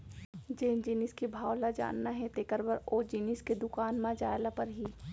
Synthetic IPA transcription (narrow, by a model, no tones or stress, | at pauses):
d͡ʒeːnd͡ʒiniskibʱaːwlad͡ʒa̰ːnːaɦɛ̃t̪eːkəɾbəɾod͡ʒinisked̪ʊkaːnmãd͡ʒaːjlapɐɾɦi